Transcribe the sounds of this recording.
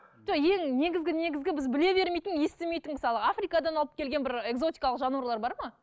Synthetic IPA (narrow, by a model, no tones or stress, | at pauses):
ʒ̥oje̞ŋne̞ɡʲɪzɡʲɪne̞ɡʲɪzɡʲɪbɪzbɪle̞be̞ɾme̞jt̪ɪŋje̞st̪ɪme̞jt̪ɪŋmɪsɑlˠəafrijkɑd̪ɑnɑlˠəp̚kʲʰe̞lɡʲe̞nbɪɾe̞kzo̞t̪ʲijkɑlˠəqʒɑnuɾlˠɑɾbɑɾmɑ